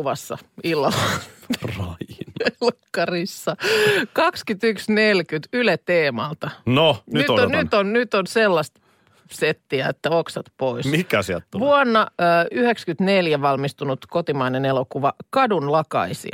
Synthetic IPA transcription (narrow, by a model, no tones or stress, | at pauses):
uʋɑsːɑ̰ilːɑlːɑrɑinelokːɑrisːɑkɑkskyt̪yksnelkyt̪ylet̪eːmɑlt̪ɑnonyyt̪onyonnyt̪onselːɑst̪ | set̪ːiæet̪ːæoksɑt̪poismikæsiæ̰t̪ːʋuɔnːɑːyhekskyt̪neljæʋɑlmist̪unut̪kot̪imɑinenelokuʋɑkɑdunlɑkɑ̰isḭɑ